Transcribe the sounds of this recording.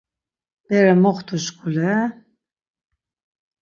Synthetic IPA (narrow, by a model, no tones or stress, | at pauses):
b̥ɛɾɛmɔχt̪ʰuʃkʰʼulɛ